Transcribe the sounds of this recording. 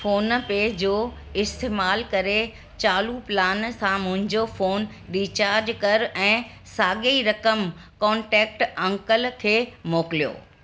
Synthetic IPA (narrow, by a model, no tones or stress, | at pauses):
foːnpeːd͡ʑoː | ɪst̪eːmaːlkɐɾe | t͡ɕaːluplaːnsãmʊ̃ɦɪ̃ɲd͡ʑofoːn | ɖiːt͡ɕaːɾd͡ʑkɐɾɛ̃ː | saːɠeiɾɐkəmkɔːɳʈɛːk̚ʈɐ̃ŋkəlkʰeːmoːkɪlijo̰ː